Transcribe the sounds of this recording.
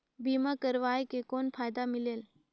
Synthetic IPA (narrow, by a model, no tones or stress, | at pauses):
bimakəɾʋajkekonpʰajd̪amileːl